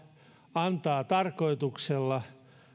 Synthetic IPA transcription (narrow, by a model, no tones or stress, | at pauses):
ɑnt̪ɑːt̪ɑrkoit̪ukselːɑ